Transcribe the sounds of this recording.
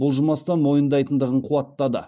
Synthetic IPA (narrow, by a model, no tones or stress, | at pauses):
bʊlˠʒəmɑst̪ɑnmo̞jənd̪ɑjt̪ənd̪əʁəɴqʰuɑt̪ːɑd̪ə̰